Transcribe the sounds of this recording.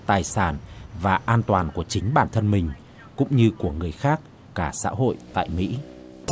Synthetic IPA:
t̪aː˨˩jsaː˧˩nvaː˨˩ʔaː˧nt̪waː˨˩nku˧˩ət͡ɕï˨˦ŋ̟ɓaː˧˩nt̪ʰə˧nmï˨˩ŋ̟ | kʊ̰˧˥ŋ͡mɲɨ˧ku˧˩əŋɨ˨˩əjxaː˦˥k̚ | kaː˧˩sa̰ː˧˥ɦo̰˧˨jt̪a̰ː˧˨jmḭ˧˥

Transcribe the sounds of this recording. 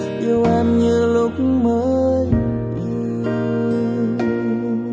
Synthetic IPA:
ʔi˧wʔɛ˧mɲɨ˧lʊ˧k̚məː˧˦j | i˧˩w

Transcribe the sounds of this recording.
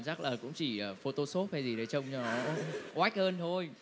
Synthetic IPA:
nt͡ɕa˦˥laː˨˩kʊ̰˧˥ŋ͡mt͡ɕi˧˩ʔəː˨˩fo˧t̪o˧so˦˥p̚ha˧jzi˨˩ɗə˨˦jt͡ɕə˧wŋ͡mt͡ɕɔ˧˩ɔ˧˨˧ʔwaː˦˥jk̟̚ʔəː˧nt̪ʰo˧j

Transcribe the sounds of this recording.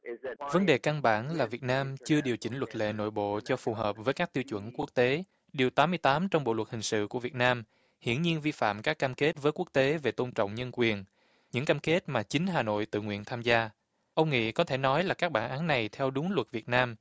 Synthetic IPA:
və˨˦nɗe˨˩ka˧ŋɓa̰ː˧˩nlaː˨˩vi˨˩ət̚naː˧mt͡ɕɨ˧əɗi˨˩əwt͡ɕï˧˩ŋ̟lwə˨˩t̚lḛ˧˨no̰˧˨jɓo̰˧˨t͡ɕɔ˧fu˨˩ɦəː˨˩p̚vəː˨˦jkaː˦˥k̚t̪i˧wt͡ɕwə̰˧˩nku˦˥ək̚t̪e˨˦ | ɗi˨˩əwt̪aː˨˦mɨ˧əjt̪aː˨˦mt͡ɕɔ˧wŋ͡mɓo̰˧˨lwə˨˩t̚hï˨˩ŋ̟sɨ̰˧˨ku˧˩əvi˨˩ət̚naː˧m | hḭ˧˨ənɲi˧ənvi˧fa̰ː˧˨mkaː˦˥kːaː˧mke˦˥t̚vəː˨˦jku˦˥k̚t̪e˨˦ve˨˩t̪o˧nt͡ɕɔ̰˧˨wŋ͡mɲə˧nkwi˨˩ən | ɲɨ̰˧˥ŋkaː˧mke˦˥t̚maː˨˩t͡ɕï˨˦ŋ̟ɦaː˨˩no̰˧˨jt̪ɨ̰˧˨ŋwḭ˧˨ənt̪ʰaː˧mzaː˧ | ʔə˧wŋ͡mŋḭ˧˨kɔ˨˦t̪ʰe˧˩nɔ˨˦jlaː˨˩kaː˦˥k̚ɓaː˧˩nʔaː˨˦nːa˨˩jt̪ʰɛ˧wɗʊ˨˦ŋlwə˨˩t̚vi˨˩ət̚naː˧m

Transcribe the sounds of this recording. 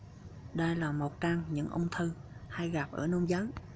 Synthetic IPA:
ɗə˧jlaː˨˩mo˨˩t̚kaː˧ŋɲɨ̰˧˥ŋʔə˧wŋ͡mt̪ʰɨ˧ha˧jɣa˨˩p̚ʔə̰ː˧˩no˧ŋ͡mzəː˨˦j

